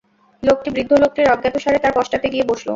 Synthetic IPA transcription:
lok̚ʈibɾid̪ʱːolok̚ʈiɾːɔɡːɛt̪oʃaɾet̪aɾpɔʃʈat̪eɡieboʃlo̰

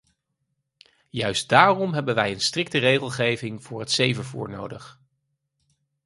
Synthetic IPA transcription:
jœɥst̚d̥aːrɔmɦɛbənʋɛjənstrɪk̚tərejχəlˠχejvɪŋvʊːɹɦətsejvəvṵːɹno̰wdəχ

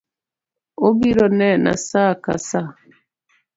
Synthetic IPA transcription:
obiɾɔnɛna̰saka̰sa

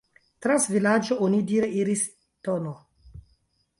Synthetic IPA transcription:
tɾansvilad͡ʒoʔonidiɾeiɾis | tono

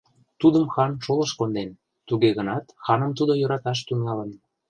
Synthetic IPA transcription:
t̪ud̪əmxɑnʃolə̆ʃkond̪en | t̪uɣeɣənɑt̪xɑnə̆mt̪ud̪ojɤ̆ɾɑt̪ɑʃ̬t̪yŋɑlə̆n

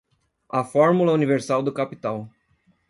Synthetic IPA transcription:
afɔɾmulɐuniveɾsawd̪ʊkapit̪aw

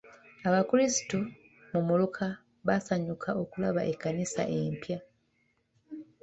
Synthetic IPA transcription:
aβakuɾisi̥tu | mumulukʰa | βasaɲukʰaʔo̞kulaβa̰ʔekːanisa̰ʔe̞mpja

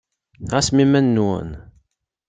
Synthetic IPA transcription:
ʁæsmimænːwə̰n

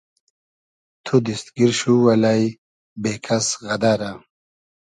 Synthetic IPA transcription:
t̪ʰud̪ist̪ɡiɾɕuwɐlaj | beːkʰɐsɣɐd̪aːɾa

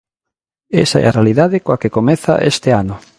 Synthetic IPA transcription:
esaɛ̰arealiðaðɪkoakekomeθa̰ʔest̪eanʊ

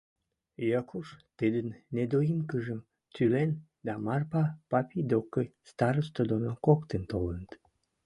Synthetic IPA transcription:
jɑkʰuʃt̪id̪ənːed̪ojimkəʒəm | t̪ylen | d̪ɑmɑrpɑpɑpid̪okəjst̪ɑɾəst̪od̪onokokt̪ent̪olənət̪

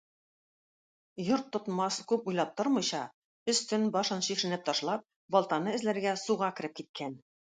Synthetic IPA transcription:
joɾt̪ːŏt̪mɑskʉpujlˠɑp̚t̪oɾmɤ̆jɕɑ | ɵ̆st̪ɵnbɑʃɤnɕiʃɘ̆nɘp̚t̪ɑʃlˠɑp̚ | bɒlˠt̪ɑnɤɘ̆zlæɾɡæsuʁɑkɘ̆ɾɘp̚kit̪̚kʰæn

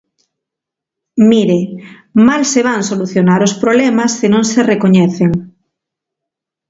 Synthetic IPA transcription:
miɾe | malseβ̞aŋsoluθjonaɾospɾoβlɛmasːenõŋserekoɲɛθeŋ

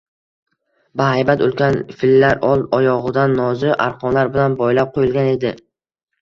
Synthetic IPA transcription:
baɦajbat̪olˠɡʲanfɪlːaɾɒlˠɒjɒʁɨd̪anːɒzɪʔa̰ɾqʰɒnlaɾbɪlanbɒjlap̚qʰojɪlˠɡʲane̞d̪ɪ

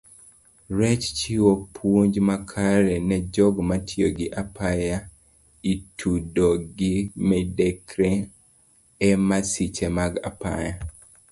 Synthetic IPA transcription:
ɾɛt͡ʃt͡ʃiwopʰwoɲd͡ʒmakʰaɾɛnɛd͡ʒɔɡmatʰioɡɪʔapʰaja | itʰudoɡɪmɛdɛkɾɛ | ɛmasit͡ʃemaɡa̰pa̰ja

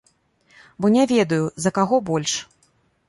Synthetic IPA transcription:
bɔnʲavʲɛd̪ɐjuzɐkaɣɔbɔlʲʂ

